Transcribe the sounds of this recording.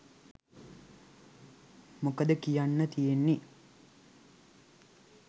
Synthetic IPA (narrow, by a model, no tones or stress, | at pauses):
mokəd̪əkijanːət̪ijenːi